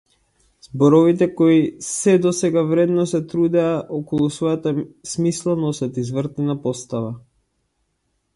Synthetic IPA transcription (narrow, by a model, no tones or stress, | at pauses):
zbɔɾɔvit̪̬ɛkɔisɛd̪ɔsɛɡavɾɛd̪nɔsɛt̪ɾud̪ɛaʔɔkɔlˠusvɔjat̪asmislˠanɔsat̪izvrt̪ɛnapɔst̪ava